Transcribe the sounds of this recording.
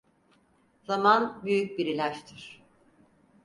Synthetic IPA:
z̥amanbyjyc̚biɾilʲæʃt̪ʰiɾ̥

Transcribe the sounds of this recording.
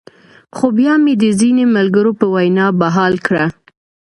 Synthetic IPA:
xobjɑmed̪əzinemalɡəɾopəwajnɑbaɦɑlkɽa

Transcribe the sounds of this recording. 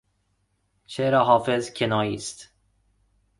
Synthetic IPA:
t͡ʃʰeɾɒːɦɒːfezcʰenɒːjiːst̪

